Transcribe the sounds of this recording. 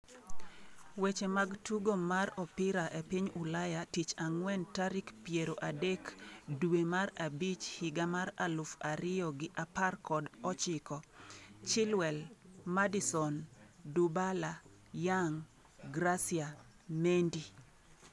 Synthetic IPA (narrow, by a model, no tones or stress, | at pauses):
wet͡ʃemaɡtuɡomaɾɔpɪɾaʔepiɲulajatit͡ʃaŋwɛntaɾikpjeɾoʔadekdwemarabit͡ʃhɪɡamaɾalʊfaɾɪjɔɡɪʔaparkɔdɔt͡ʃɪkɔt͡ʃɪlwɛlmadisɔndubala | jaŋ | ɡɾasia | mendi